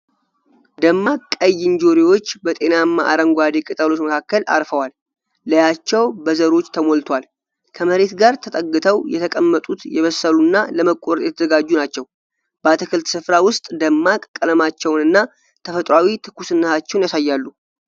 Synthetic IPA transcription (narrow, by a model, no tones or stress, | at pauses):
d̪əmːakʼəjːɪnd͡ʒo̞ɾiwo̞t͡ʃːbət̪ʼe̞namːa̰ʔa̰ɾəŋɡʷad̪ekʼɨt̪ʼəlo̞t͡ʃməkʰakːəla̰ɾfəwalː | əjat͡ʃːɛwbəzəɾo̞t͡ʃːt̪ʰəmo̞lt̪ʰwal | kʰəməɾe̞t̪ɡaɾt̪ʰət̪ʼəɡːɨt̪ʰəwjɛt̪ʰəkʼəmːət̪ʼut̪jɛβəsːəlunːaləməkʼːoɾt̪jɛt̪ʰəzəɡad͡ʒːunat͡ʃːɛw | b̥at̪ʰɨkʰɨlt̪sɨfɾawʊst̪ʼd̪əmːakʼkʼːələmat͡ʃːɛwnɨnːa | t̪ʰəfət̪ʼɾawit̪ʰɨ̥kːusɨnːət̪at͡ʃːɛwnjasajːalːu